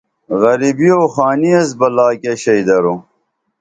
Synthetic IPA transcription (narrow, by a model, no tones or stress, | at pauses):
ɣɐɾibioːxaːniɐs̬bɐlaːkeɕɐjd̪ɐɾo